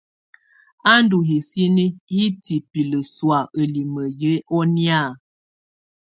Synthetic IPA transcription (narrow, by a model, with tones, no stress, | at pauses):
a˦n˦du˨ɦi˨si˦ni˦hi˦ti˨pi˨lə˨swa˨ʔə˨li˨mə˨jə˨˦ʔɔ˦nja˦˨